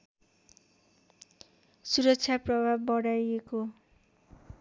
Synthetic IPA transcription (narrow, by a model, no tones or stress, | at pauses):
suɾʌksʰjaprʌbʱabːʌɽajeko